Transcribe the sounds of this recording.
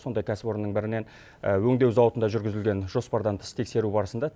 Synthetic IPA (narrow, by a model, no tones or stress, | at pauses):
so̞nd̪ɑjkʲʰæsɪ̥po̞ɾənːəɴbɪɾɪne̞n | əwɵŋd̪e̞wzɑwət̪ənd̪ɑʒʏɾɡʲɪzɪlɡʲe̞nʒo̞spɑɾd̪ɑnt̪ʰə̥st̪ʰe̞kse̞ɾubɑɾəsənd̪ɑ